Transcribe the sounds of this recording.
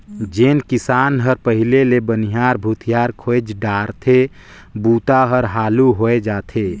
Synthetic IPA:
d͡ʒeːnkɪsaːnɦəɾpəɦɪlelebəniɦaːɾbʱut̪ʰijaːɾkʰod͡ʒɖaːɾt̪ʰe | buːt̪aɦəɾɦaːluɦoed͡ʒaːt̪ʰe

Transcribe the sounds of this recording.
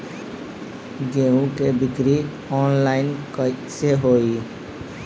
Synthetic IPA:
ɡeũkebɪkɾi | ɔːnlaɪnkəseɦoːi

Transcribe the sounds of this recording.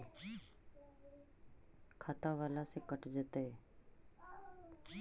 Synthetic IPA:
kʰaːt̪aʋaːlasekəʈd͡ʒət̪e

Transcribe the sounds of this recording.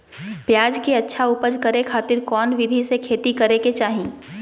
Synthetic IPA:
pjaːd͡ʒkeɐtːʃʰaʊpəd͡ʒkɐɾekʰaːt̪ɪɾkɔːnʋɪd̪ʱisekʰeːt̪ikɐɾeket͡ʃaːɦĩː

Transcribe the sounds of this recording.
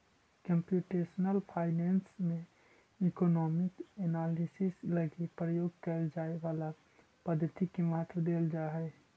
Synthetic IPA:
kəmpjuːʈesnəlpʰaːɪnɛːnsmẽ | ikonɔːmɪkenaːlisisləɡipɾəjoːɡkəld͡ʒaːeʋaːla | pəd̪ʱːət̪ikemaɦət̪ʰʋəd̪eːld͡ʒaɦɛ

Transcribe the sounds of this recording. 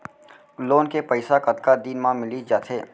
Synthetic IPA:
loːnkepəɪsakət̪kad̪iːnmãmɪlid͡ʒaːt̪ʰeː

